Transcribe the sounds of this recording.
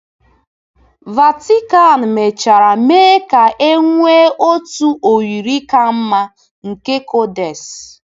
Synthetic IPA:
va˨ti˦ka˦˨n̩˨me˨t͡ʃa˨ɾa˨meː˦ka˨ʔe˦ŋʷe˦ʔo˦tu˦ʔo˨wi˨ɾi˦ka˦m̩˦ma˦ | ŋ̩˨ke˦ko˦de˨s

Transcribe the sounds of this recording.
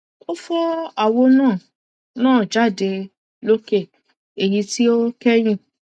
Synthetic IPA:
o˦fɔ˦a˦˨wo˧nãː˦˨ | nãː˦˨d͡ʒa˦˨de˧ | lo˦ke˦˨ | e˨ji˧ti˦o˦kɛ˦ɾ̃ĩ˦˨

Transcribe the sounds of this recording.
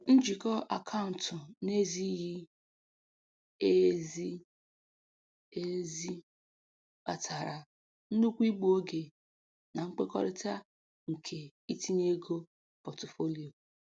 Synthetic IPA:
n̩˦d͡ʒi˨kɔ˦ʔa̰˨kʰa˦ʊ˨n̩˨tʊ˨ne˦zi˦ji˦ | e˦zi˦ | e˦zi˦ | ba̰˨tʰa˨ɾa˨ | n̩˦nu˦kʷi˦ɡ͡bu˦o˦ɡe˨ | na˨ŋ͡m̩˦k͡pe˦kɔ̰˦ɾɪ˦ta˦ | ŋ̩˨kʰe˨i˦ti˦ne˦ɡo˦ | pɔ˨tʊ˨fo˦li˨o˨

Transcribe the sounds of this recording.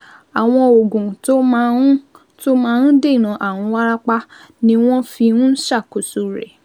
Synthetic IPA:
a˨w̃ɔ̃˧o˨ɡũ˨to˦mã˦ | to˦mãː˨˦n̩˦de˦˨i˨nã˨˧ʔa˨wũ˨˧wa˦ɾa˦k͡pa˦ | nĩ˦w̃ɔ̃˦fi˧ũ˦ʃa˦˨ko˨su˨˧ɾɛ̰˨

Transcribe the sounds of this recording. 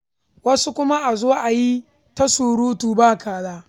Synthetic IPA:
wɐ˦su˦kʷʊ˦ma˦ʔa˨zoː˦ʔa˨ji˦ | tɐ˦suː˨ɽuː˦tuː˨baː˦˨kʰaː˨zaː˦

